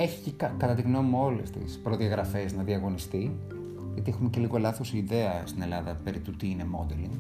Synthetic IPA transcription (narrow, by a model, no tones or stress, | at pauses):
eçi̥cekɐkɐt̪ɐt̪iɣno̞muo̞lḛst̪ḭspɾo̞ðiɐɣɾɐfe̞znɐðiɐɣo̞nist̪i | ʝɐt̪ie̞xumece̞liɣo̞lɐθo̞sːðe̞ɐst̪ine̞lɐðɐ̰pe̞ɾit̪ut̪iine̞mo̞d̪eliŋ